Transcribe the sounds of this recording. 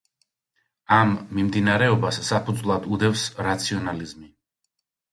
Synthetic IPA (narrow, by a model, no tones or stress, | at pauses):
amːimd̪inaɾɛɔbasːapʰud̪zvlˠad̪ud̪ɛfsɾat̪sʰiɔnalizmi